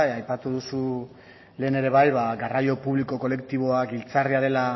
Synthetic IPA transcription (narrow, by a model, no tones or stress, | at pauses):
ajpat̪uðusu | le̞ːne̞ɾe̞βajβaɡarajo̞puβliko̞ko̞le̞kt̪iβo̞akilt͡sariað̞e̞la